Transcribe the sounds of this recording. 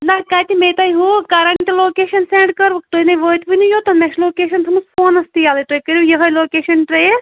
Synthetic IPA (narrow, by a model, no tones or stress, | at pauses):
nɐkaːt̪imeːt̪ɐːiɦoːkaɾɐɳʈloːkeːʃɐnseːɳɖkɐɾʋut̪oːinɐʋəːt̪ʋinujoːt̪omɛʃloːkeːʃɐnt̪ʰɐmuspʰoːnɐst̪ijaːlɐt̪oːikəɾojɐɦɐloːkeːʃɐnʈɾeː